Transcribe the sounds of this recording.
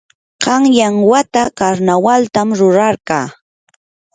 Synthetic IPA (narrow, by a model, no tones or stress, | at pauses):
ɢ̥ɑŋjaŋwat̪akaɾnawalt̪amɾʊɾɑɾɢɑː